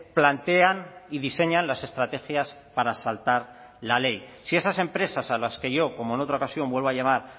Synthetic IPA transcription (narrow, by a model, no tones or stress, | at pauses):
plant̪e̞aniðise̞ɲanlase̞st̪ɾat̪e̞xjas | paɾasalt̪aɾ | lale̞jsie̞sase̞mpɾe̞sasalaske̞ʝo̞ko̞moeno̞t̪ɾao̞kasjõ̞mbwe̞lβoaʎamaɾ